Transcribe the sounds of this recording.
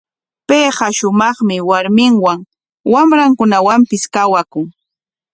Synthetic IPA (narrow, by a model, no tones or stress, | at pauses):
peːɢɑʃʊmɑχmɪwaɾmɪŋwaŋ | wamɾaŋkʊnawampɪskawakʊŋ